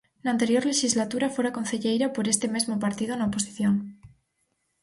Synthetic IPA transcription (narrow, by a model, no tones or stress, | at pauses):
nant̪e̞ɾjo̞ɾle̞ʃizlat̪uɾafwoɾako̞nθeʎejɾapo̞ɾest̪e̞me̞zmopaɾt̪ið̞onaopo̞si̥θjoŋ